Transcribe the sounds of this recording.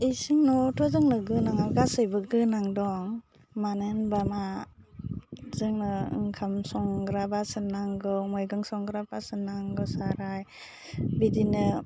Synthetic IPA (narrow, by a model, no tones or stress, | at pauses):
isiŋnɔtʰɔzɯŋnɯɡɯnaŋaɡasɯjbɯɡɯnaŋdɔŋ | manɯnbama | zɯŋnɯɯ̰ŋkʰamsɔŋɡɾabasɯnaŋɡɯmɔjɡɯŋsɔŋɡɾabasɯnːaŋɡɯsaɾaj | bidinɯ